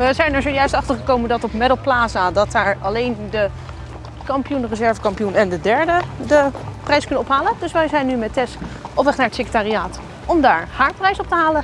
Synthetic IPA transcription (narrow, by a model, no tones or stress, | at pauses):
ʋəzɛjnɛɹzowjœɥstɑχtəɹχəkowməndɑtɔpmɛdəl̩ˠplaːzadɑt̚daːɹɑlejndə | kɑmpijunrəzɛɹvəkɑmpijunɛndədɛɹdədəprɛjskɵnəɔpɦaːləndɵsʋɛjzɛjnːymɛtɛstɔpʋɛχnaːɹətsekə̥taːriaːt | ɔmdaːɹhaːɹprɛjsɔp̚təɦaːlə